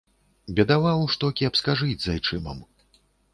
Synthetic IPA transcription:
bʲɛd̪avawʂt̪ɔkʲiɐpskaʐɨd͡zʲzajt͡ʂɨmɐ̰m

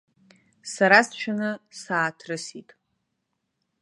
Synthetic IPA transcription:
saɾast͡ʃʷʰanɨsaːtʰrɨsitʼ

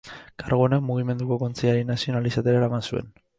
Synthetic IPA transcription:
kaɾɣonekmuɣ̞ime̞nd̪uko̞ko̞nt͡siaɾinasio̞nalisat̪oɾaeɾamansue̞̰n

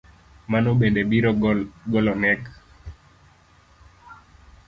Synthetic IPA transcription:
manoɓendebiɾɔɡɔlɔŋɛk

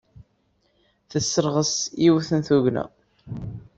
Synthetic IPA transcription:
θəsːəɾʁəsiwθənθuʝnæ̰

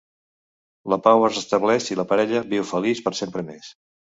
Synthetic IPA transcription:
ləpawəzəst̪əβlɛʃiləpəɾɛʎəβiwfəlispəɾsempɾəmes

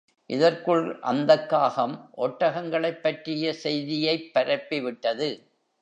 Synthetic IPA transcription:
ʔɪðɐrkɯɭʔɐ̰nd̪ɐkːaːɣɐmʔɔʈːɐɣɐŋɡɐɭɐɪpːɐʈrɪjɐsɛjðɪjɐɪpːɐɾɐpːɪʋɪʈːɐðɯ

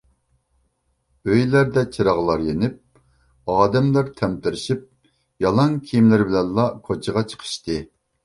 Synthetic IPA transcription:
øjlæɾd̪ɛt͡ʃʰiɾɑʁlˠɑɾjenɪp̚ | ɑːd̪ɛmlˠɑɾt̪ʰɛmt̪ɪɾɪʃip̚ | jɑlˠɑŋkʲʰijmlɪɾbɪlɛnlˠɑkʰot͡ʃʰəʁɑt͡ʃʰə̥qʰə̥ʃt̪ɨ

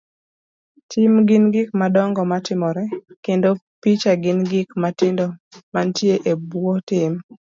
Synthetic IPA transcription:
tʰɪmɡɪnɡɪkmadɔŋɡɔmatɪmɔɾɛkendopit͡ʃaɡɪnɡɪkmatɪndɔmantjeʔebwotɪm

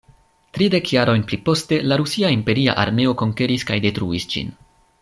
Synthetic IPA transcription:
tɾide̞kjaɾo̞jnplipo̞ste̞laɾusiaimpe̞ɾia̰ʔa̰ɾme̞o̞ko̞ŋke̞ɾiskajde̞tɾuisd͡ʒḭn

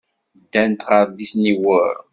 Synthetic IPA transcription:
d̪ːænt̪ʁɑɾˤd̪isniwəɾ

